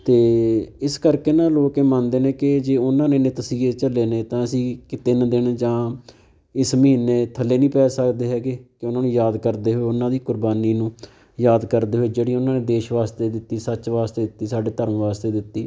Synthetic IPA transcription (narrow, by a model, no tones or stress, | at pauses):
t̪eːɪskəɾkeːnãːloːkeːmənd̪eːnẽːkɪd͡ʒeːʊnãːneːnẽːt̪əsiːet͡ʃəleːnẽːt̪ãːəsĩːkɪt̪eːnãːd̪ɪnd͡ʒãː | ɪsməɦiːnːeːt̪ʰəlːeːnĩːpɛːsəkd̪eːɦɛːɡeːkɪʊnãːnũːjaːd̪kəɾd̪eːɦoeːʊnãːd̪iːkʊɾbaːniːnũː | jaːd̪kəɾd̪eːɦoeːd͡ʒeːɽiːʊnãːnẽːd̪eːʃʋaːst̪eːd̪ɪt̪ːiːsət͡ʃʋaːst̪eːd̪ɪt̪ːiːsaːɖeːt̪əɾəmʋaːst̪eːd̪ɪt̪ːiː